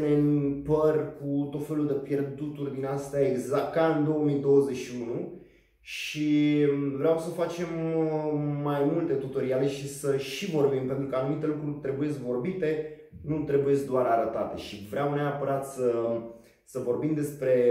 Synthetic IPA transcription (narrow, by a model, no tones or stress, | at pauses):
nenpərʲkut̪o̞t̪fe̞luld̪e̞pje̞rd̪ut̪urʲd̪inast̪eaeɡzakt̪kaɨnd̪o̞omid̪o̞wəze̞ʃiunu | ʃivɾeawsəfat͡ʃe̞mː | ajmult̪e̞t̪ut̪oɾiale̞ʃisəʃivo̞rbimpe̞nt̪ɾukəanumit̪e̞lukɾurʲt̪ɾe̞buje̞skvo̞rbit̪e̞ | nut̪ɾe̞buje̞tskd̪oaɾaɾət̪at̪e̞̰ʃivɾeawneapəɾat̪sə | səvo̞rbimd̪e̞spɾe̞